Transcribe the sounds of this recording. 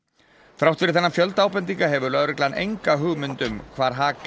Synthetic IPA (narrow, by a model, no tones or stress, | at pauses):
fɾawht̪fɪɾɪ̥ɾθɛnːafjœlt̪aːwpɛnt̪̬iŋkaɦɛvʏlœɣɾɛklaanʔḛjŋkaɦʏɣmʏnt̪ʏmkʰvaːɾ̥ɦaːk